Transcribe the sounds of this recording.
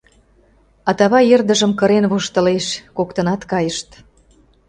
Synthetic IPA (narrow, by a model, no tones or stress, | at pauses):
ɑt̪ɑβɑjerd̪əʒə̆mkə̆ɾenβuʃt̪ə̆leʃkokt̪ə̆nɑt̪kɑjəʃt̪